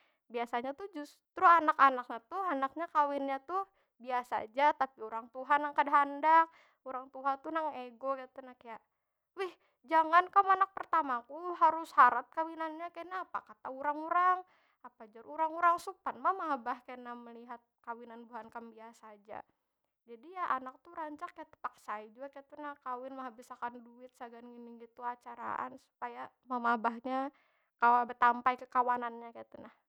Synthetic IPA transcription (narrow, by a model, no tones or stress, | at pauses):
biasaɲat̪ud͡ʒʊs | t̪ɾʊanakanak̚ɲat̪uhanak̚ɲakawɪnɲat̪uh | biasa̰d͡ʒat̪apiuɾaŋt̪uɦanːaŋkadaɦandak̚ | uɾaŋt̪uɦat̪unaŋeɡokat̪unakajaʔ | wɪh | d͡ʒaŋankamanak̚pərt̪amakuɦaɾʊshaɾat̪̚kawinanɲakajnaːpa̰kat̪auɾaŋuɾaŋ | apad͡ʒʊruɾaŋuɾaŋsupanmamabahkajanaməliɦat̪̚kawinanbuɦankanbiasaːd͡ʒa̰ | d͡ʒadijaʔanak̚t̪uɾaɲt͡ʃakkajat̪ə̥paksaid͡ʒuɡakajt̪unahkawɪnmaɦabisakanduɪt̪̚saɡanɡiniŋɡit̪uat͡ʃaɾa̰ʔa̰nsu̥paja | mamabahɲa | kawabət̪ampajkəkawananɲakajat̪unah